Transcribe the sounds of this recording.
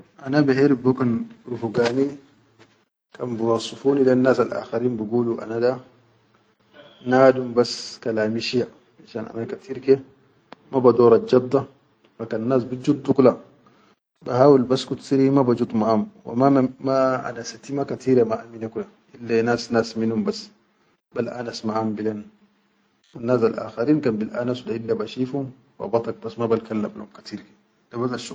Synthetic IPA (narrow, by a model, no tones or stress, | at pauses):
ʔanabɛhɛɾibɔkanɾufuɡaːni | kʰʼambuwasːufuːnilɛnːasalʔa̰xaɾiːnbuɡuluʔa̰nada | naːdumbaskalaːmiʃija | miʃana̰nakat̪ʰiɾkɛ | mabad̪ɔːɾad͡ʒabd̪a | fakanːas̬bid͡ʒud̪ːukula | bahaːwilbasːkut̪siɾimabad͡ʒud̪ˤmaʔamwa̰mamaʔa̰nasat̪imakat̪ʰiːɾamaʔaminakula | ʔilːanaːsnaːsminhumbasː | balʔa̰nasmaʕambileːn | wanːaːsalʔa̰ːxaɾiːnkaːnbilʔa̰nasudaʔilːabaʃiːfhum | wa̰bɑt̪ˤɑk̚basmabalkalːamlṵumkḁt̪iːɾke̥ | d̥abadaʃu